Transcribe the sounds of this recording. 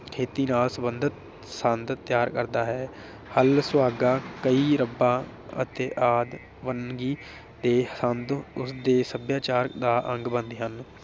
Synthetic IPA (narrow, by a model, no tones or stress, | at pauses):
kʰeːt̪iːnaːlsəbənd̪ət̪̚ | sənd̪t̪ːjaːɾkəɾd̪aːɦɛː | həlsʊaːɡaːkəiːɾəbãː | ə̰t̪eːʔaːd̪ | ʋənɡiː | d̪eːsənd̪ʊsd̪eːsəbjaːt͡ʃaːɾd̪aːʔə̃ŋɡbə̃nd̪iːɦən